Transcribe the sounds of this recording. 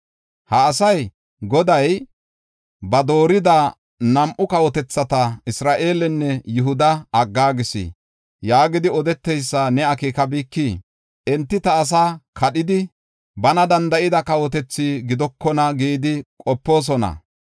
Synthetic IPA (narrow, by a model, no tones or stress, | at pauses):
hɐːsɐj | ɡɔd̪ɐj | bɐd̪o̞ːɾɪd̪ɐ | nɐmʔʊkɐwɔt̪ɛt͡sːɐt̪ɐɪsɾaːʔe̞ːlɛnːɛjʊɦʊd̪ɐɐɡːaːɡɪsḭ | jaːɡɪd̪ɪɔd̪ɛt̪ːɛjsːɐnɛɐkiːkɐbiːkːi | ʔɛnt̪ːɪt̪ɐːs̬aːkʰɐɗɪd̪ɪ | bɐnɐd̪ɐnd̪ɐʔɪd̪ɐkɐwɔt̪ɛt͡sːiɡɪd̪ɔkːɔnɐɡiːd̪ɪkʼɔpːo̞ːs̬ɔnɐ̰